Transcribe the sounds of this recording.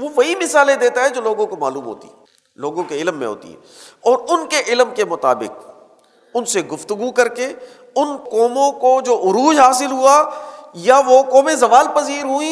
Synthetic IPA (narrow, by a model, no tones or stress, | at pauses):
ʋoʋɐɦimɪsaːlẽd̪eːt̪aɦɛd͡ʒoːloːɡõkoma̰ːluːmɦo̰ːt̪ḭɛ | loːɡõkeɪlmːḛ̃ɦo̰ːt̪ḭɦɛ̰ːɔːɾʊnkeʔɪlmkemʊt̪a̰ːbɪ̰k̚ | ʊnseɡʊft̪ʊɡukɐɾke | ʊnkɔːmõkod͡ʒoːʔʊɾuːd͡ʒɦaːsɪlɦuajaʋokɔːmẽzɐʋaːlpɐziːɾɦuĩ